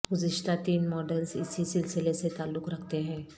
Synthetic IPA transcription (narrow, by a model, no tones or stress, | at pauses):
ɡʊzɪʃt̪at̪iːnmɔːɖəlzɪ̰sisɪlsɪleset̪aːlːʊkɾɐkʰt̪eɦɛ̃ː